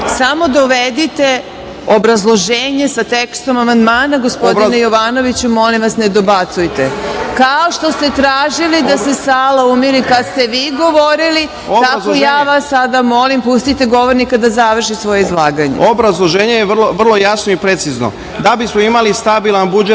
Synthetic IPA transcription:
samo̞d̪ouʋed̪it̪e̞ | obɾazlˠo̞ʒeːɲe̞sat̪ekst̪o̞mamand̪maːnaɡospod̪inejo̞ʋaːno̞ʋit͡ɕumːo̞limʋasne̞d̪o̞bat̪sujt̪ekaoʃt̪o̞st̪e̞t̪ɾaːʒilid̪asesaːlaumiɾikad̪st̪e̞ʋiːɡo̞ʋo̞ɾili | t̪akojaːʋasːad̪amo̞limpust̪it̪e̞ɡo̞ʋo̞ɾnikad̪azaʋr̩ʃisʋo̞jeizlˠaːɡaɲeobɾazlˠoʒeːɲejeʋrloʋr̩lˠo̞jasnoipɾet̪sizno̰ | d̪abismoimalist̪abilˠanbud͡ʒe

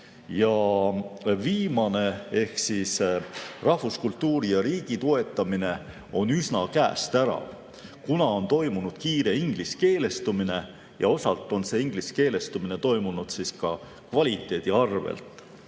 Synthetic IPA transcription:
jɑ | viːmɑne̞e̞hksisrɑhvuskult̪ˑːuːɾijɑɾiːɡ̥it̪oe̞t̪ːˑɑmine̞ | o̞nysnɑkæːst̪æɾɑ̰ | kunɑo̞nt̪o̞jmunud̪̥kiːɾe̞iŋɡ̥liske̞ːle̞st̪umine̞ | jɑ̰o̞sɑlt̪ːˑo̞nse̞iŋɡ̥liske̞ːle̞st̪umine̞t̪o̞jmunud̪̥siskɑ | kvɑlʲit̪ːˑe̞ːd̪̥iɑrvḛlt̪ˑ

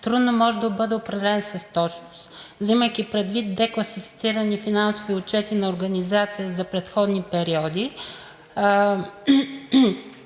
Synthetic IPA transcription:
t̪ɾud̪nomɔʒɛd̪ɐbɤd̪ɛʊpɾɐvɛlɛnsɐst̪ɔt͡ʃnʊst̪vziməjkipɾɛd̪vit̪̚d̪ɛklˠɐsifi̥t̪siɾɐnifinansʊviʊt͡ʃɛt̪inɐʊɾɡɐnizat̪sijəzɐpɾɛt̪xɔd̪nipɛɾiɔd̪i

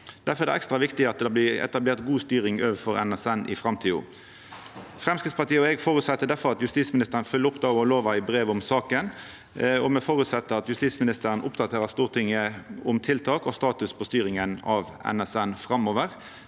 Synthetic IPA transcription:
d̪̥æɾfɔʁɛd̪ɛ̰ʔɛkst̪ʁɑʋɪkt̪ɪɑt̪̚d̪ɑblɪɛ̰t̪ɑbleːʁt̪ɡuːst̪yːɾɪŋøːʋəfɔɾɛ̰nɛsɛnʔɪ̰fʁɑmt̪ʰiːʊ̰ː | fʁɛmskɾɪt̪spʰɑʁt̪iːəɔɛɡfɔɾʉt̪sɛt̪ːəd̪æɾfɔʁɑt̪jʉst̪iːsmɪnɪst̪əʁənfʏləʊpd̪ɑːɔloːʋɑɪbɾeːʋʊmsɑːkən | ɔmɛfɔɾʉt̪sɛt̪ːəɑt̪jʉst̪iːsmɪnɪst̪əɾənʔʊpd̪ɑt̪ʰeːɾəst̪uːʁt̪ʰɪŋːəʊmt̪ʰɪlt̪ʰɑːkɔst̪ɑːt̪ʉspʰɔst̪yːɾɪŋənɑʋɛ̰nɛsɛnfʁɑmːoːʋəʁ

